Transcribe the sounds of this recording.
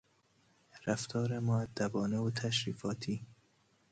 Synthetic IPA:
ɾæft̪ʰɒːɾemoæd̪ːæbɒːnewot̪ʰæʃɾiːfɒːt̪ʰiː

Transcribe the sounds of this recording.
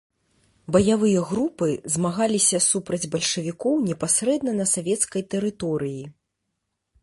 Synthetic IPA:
bɐjavɨjɐɣɾupɨzmaɣalʲisʲɐsupɾɐd͡zʲbɐlʲʂɨvʲikɔwnʲɛpasɾɛd̪̚nɐnɐsavʲɛt̪skɐjt̪ɛɾɨt̪ɔɾɨji

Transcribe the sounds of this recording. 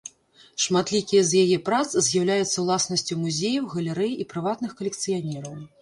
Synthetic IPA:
ʂmat̪lʲikʲijɛzjajɛpɾat̪szʲjawlʲajut̪sːɐwlˠasnɐsʲt͡sʲumuzʲejɐwɣɐlʲɛɾɛjipɾɨvat̪nɨxkɐlʲɛkt̪sɨjanʲɛɾɐw

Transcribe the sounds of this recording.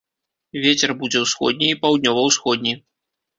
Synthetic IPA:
vʲet͡sʲɛrbud͡zʲɛwsxɔ̰d̪ʲnʲiːpawd̪ʲnʲɔvɐwsxɔd̪ʲnʲi

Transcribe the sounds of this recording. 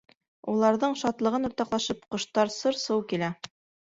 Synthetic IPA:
ulˠɑɾðɤɴʃɑt̪lˠɤ̆ʁɤnŏɾt̪ɑqlˠɑʃɤp̚qɤ̆ʃt̪ɑɾsɤɾsɤwkilæ

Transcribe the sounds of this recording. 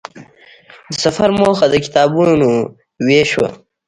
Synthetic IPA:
d̪əsɐfɐɾmoːxɐd̪əki̥t̪ɑːbuno | weːʃwa̰

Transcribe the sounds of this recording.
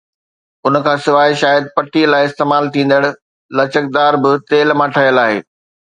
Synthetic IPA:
ʊnəkʰãːsɪʋaːɪʃaːjəd̪̚pɐʈʰilaːɪɪst̪eːmaːlt̪ʰĩːn̆d̪əɽ̆ | lɐt͡ɕək̚d̪aːɾbɪt̪eːlmãːʈʰɐɦijəlaːɦḛː

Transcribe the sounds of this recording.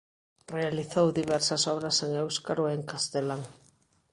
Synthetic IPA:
realiθowðiβɛɾsɐsɔβɾɐseŋewskaɾoeŋkast̪elaŋ

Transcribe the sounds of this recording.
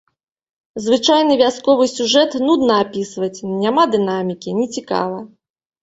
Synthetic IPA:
zvɨt͡ʂajnɨvʲaskɔvɨsʲuʐɛt̪nud̪nɐapʲisvɐt͡sʲnʲamad̪ɨnamʲikʲinʲɛt͡sʲika̰vɐ

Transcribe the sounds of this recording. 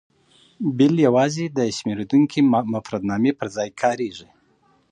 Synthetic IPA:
bɪljawɑzed̪əʃmeɾed̪uŋkʰimʊfɾad̪nɑmepəɾzɑjkʰɑɾeʐi

